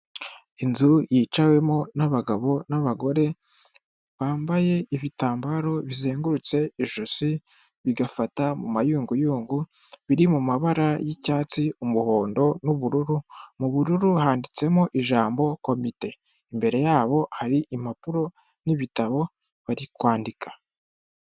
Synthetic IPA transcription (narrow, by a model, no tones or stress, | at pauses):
inzujit͡ʃawe̞mo̞naβaɡaβo̞naβaɡo̞ɾe̞ | βaːmbaje̞iβitaːmbaɾo̞βizeːŋɡuɾut͡se̞iʒuzi | βiɡafatamumajuːŋɡujuːŋɡu | βiɾimumaβaɾajicaːt͡siumuho̞ːndo̞nuβuɾuɾumuβuɾuɾuhaːndit͡se̞moʔiʒaːmbo̞ko̞mite̞ | imbe̞ɾe̞jaːβo̞haɾiʔimapuɾo̞ | niβitaβo̞ | βaɾikwaːndikʰḁ